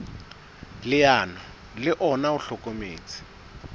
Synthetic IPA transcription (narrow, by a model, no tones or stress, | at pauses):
lɪjaːnɔ | lɪʔɔnauɬɔkomeːt͡sʰi̥